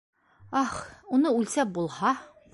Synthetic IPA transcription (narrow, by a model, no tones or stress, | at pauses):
ɑχunɤʉlʲsæp̚bulˠhɑ